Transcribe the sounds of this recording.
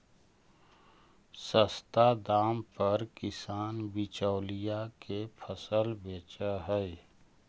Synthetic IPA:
səst̪ad̪aːmpəɾkɪsaːnbɪt͡ʃɔːlijakepʰəsəlbeːt͡ʃaɦɛ

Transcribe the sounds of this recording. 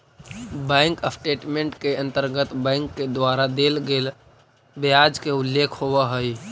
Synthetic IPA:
bɛ̃ːŋkəpʰʈeːʈmẽɳʈkeə̃nt̪əɾɡət̪bɛ̃ːŋkːed̪waːɾad̪eːlɡeːl | beaːd͡ʒkeʊlːeːkʰɦowaɦəi

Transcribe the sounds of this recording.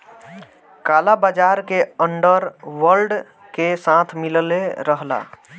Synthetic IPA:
kalabad͡ʒaɾkeəɳɖəɾʋəɾɖ | kesãt̪ʰmilleɾəɦla̰

